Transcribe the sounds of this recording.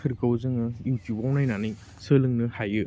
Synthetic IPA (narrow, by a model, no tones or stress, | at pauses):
ɯɾkɯwzɯŋɯjuwtubawnajnani | sɯlɯŋnɯhajɯ